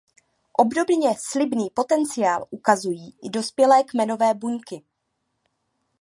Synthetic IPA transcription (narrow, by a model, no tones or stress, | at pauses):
ʔo̞bdo̞bɲɛslɪbniːpot̪ɛnt͡sɪjaːlʔukazujiːʔɪdo̞spjɛlɛːkmɛno̞vɛːbuɲkɪ